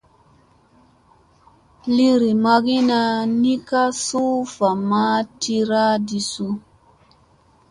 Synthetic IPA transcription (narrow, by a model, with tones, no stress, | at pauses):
li˦ɾi˨ma˧ɡi˦na˧ni˦ka˦su˦fa˨ma˦ti˦ɾa˦di˧su˦